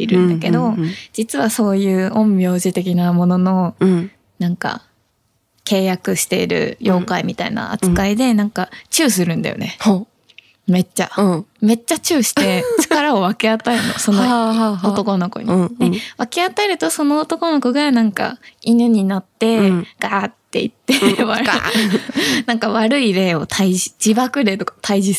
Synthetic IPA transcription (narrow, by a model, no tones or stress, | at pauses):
iɾɯ̟̃nd̪ake̞d̪o̞d͡ʑit͡sɨβaso̞ːjɯ̟ːõ̞mbʲjo̞ːʑit̪e̞kʲinamo̞no̞no̞ | nãŋka̰ | ke̞ːjakɯ̟ɕi̥t̪e̞iɾɯ̟̰jo̞ːkaimʲit̪aḭna̰a̰t͡sɨ̥kkaid̪e̞nãŋkat͡ɕɨːs̬ɨɾɯ̟̃nd̪a̰jo̰ne̞h | me̞t͡ɕːame̞t͡ɕːat͡ɕɨːɕi̥e̞t͡ɕi̥kaɾao̞βake̞at̪aeɾɯnoso̞noot̪o̞ko̞no̞ko̰ɲ̟id̪eβake̞at̪aeɾɯ̟t̪o̞so̞no̞ːt̪o̞ko̞no̞koɡanãŋka̰inɯ̟ɲ̟inat̪ːe̞ɡ̥at̪ːe̞̰ḭt̪ːe̞βaɾ | nãŋkaβaɾɯ̟iɾe̞ːo̞t̪ʰaiʑi̥d͡ʑibakɯ̟ɾe̞ːt̪o̞kḁt̪ʰaiʑi